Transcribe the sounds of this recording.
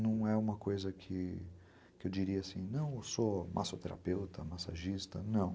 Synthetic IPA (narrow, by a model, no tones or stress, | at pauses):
nɐ̃w̃ɛũmɐkojzɐkʰɪ | kɪewd͡ʒiɾiɐasĩnɐ̃w̃somʔa̰sot̪eɾʔa̰pewt̪ʰɐmasa̰ʒist̪ɐnɐ̃w̃